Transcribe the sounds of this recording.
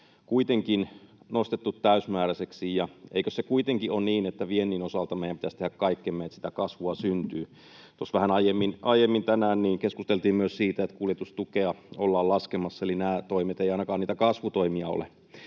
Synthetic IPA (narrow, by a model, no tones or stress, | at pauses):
kuit̪eŋkinnost̪et̪ːut̪tæysmæːɾæseksijjɑʔḛikøssekuit̪eŋkiʔonniːnet̪ːæʋienːiːnosɑlt̪ɑmeijæmpit̪æst̪ehækkɑikːemːeːet̪si̥t̪ækɑsʋuɑsynt̪yː | t̪osʋæhænɑijemːinʔɑijemːint̪ænæːnniːŋkeskust̪elt̪iːmmyøssiːt̪æet̪kuljet̪ust̪ukeɑolːɑːllɑskemɑsːɑelinæːt̪oimet̪eiɑˑinɑkɑːniːt̪ækɑsʋut̪oimiɑo̰lḛ